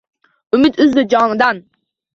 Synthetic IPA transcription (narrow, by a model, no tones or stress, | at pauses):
ʊmɪt̪ʊzlɪd͡ʒɒmɪd̪an